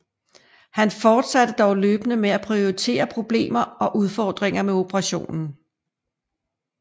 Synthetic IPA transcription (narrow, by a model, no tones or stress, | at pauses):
hænfɒːd̥sæd̥əd̥ɒʊløːb̥nəmeæpʰʁio̝it͡sʰe̝̰ːɐpʰʁo̝b̥le̝̰ːmɐɒ̽ʔuðˠfɒːd̥ʁeŋ̰ɐmeo̝pʰəʁɑ̈ɕo̝̰ːnn̩